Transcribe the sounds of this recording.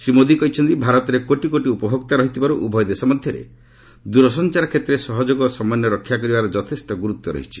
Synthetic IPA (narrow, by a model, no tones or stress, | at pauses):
sɾimod̪ikɔit͡ʃʰɔnt̪ibʱaɾɔt̪ɔɾekoʈikoʈiupɔbʱɔɡt̪aɾɔɦit̪ibaɾuʔubʱɔjɔd̪esɔmɔd̪ʱjɔɾḛ | d̪uɾɔsɔnt͡ʃaɾɔkʰet̪ːɾesɔɦɔd͡ʒoɡɔsɔmanjɔɾɔkʰːjakɔɾibaɾɔd͡ʒɔt̪ʰesʈɔɡuɾut̪ːɔɾɔ̰ɦit͡ʃʰi̥